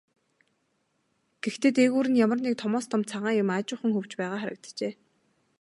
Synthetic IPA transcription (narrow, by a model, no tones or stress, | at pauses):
ɡ̥ext̪eːt̪eɣuːɾɘ̆njamə̆rniːk̚t̪ʰɔmɔːst̪ɔmt̪t͡sʰaʁaːjʊmat͡ɕʊːχə̆ŋxɵw̥t͡ɕpæːʁaːχæɾə̆k̚t̪t͡ɕeː